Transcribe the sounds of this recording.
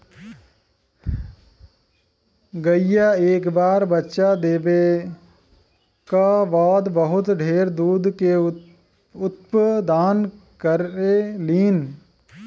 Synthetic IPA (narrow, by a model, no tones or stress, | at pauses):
ɡəɪjaeːkbaːɾbətːʃad̪eːbe | kaʋɔːd̪bəɦʊt̪ɖʱeːɾd̪uːd̪ke | ʊt̪pəd̪aːn | kəɾeliːn